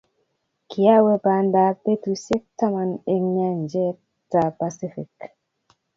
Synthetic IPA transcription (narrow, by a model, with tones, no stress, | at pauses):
ki˨a˦wɛ˦ba˨nda˦pe˦tu˨se˦k̚ta˦ma˨ne˨ŋɲa˦nd͡ʒɛ˦ | ta˨pa˨si˦fi˨k